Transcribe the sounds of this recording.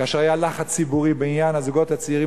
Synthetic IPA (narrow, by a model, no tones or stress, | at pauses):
aːʃeʁajalaχat͡sibuʁibeinjanazuɡo̞t̪at͡siʁi